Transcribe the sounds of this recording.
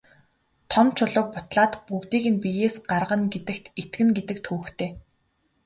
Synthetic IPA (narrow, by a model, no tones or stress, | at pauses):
t̪ʰɔmt͡ɕʰʊɮʊːk̚pʊt̪ɮaːt̪pukt̪iːɣɘ̆npijeːsɢarʁə̆nɡet̪ɘ̆kt̪ʰet̪ɡɘ̆ŋɡet̪ɘ̆k̚t̪ʰxuːxt̪ʰeː